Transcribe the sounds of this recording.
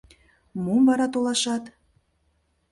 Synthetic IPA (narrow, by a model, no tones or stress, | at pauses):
mumvɑɾɑt̪olˠɑʃɑt̪